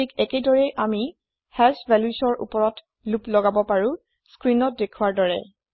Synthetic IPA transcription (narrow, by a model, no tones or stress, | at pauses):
ikɛkedɔɹɛjʔami | hɛlsvʱɛljusɔɹʔṵpɔɹɔt | luplɔɡabɔpaɹu | skɹinɔt̚dekʰuwaɹdɔɹɛ̰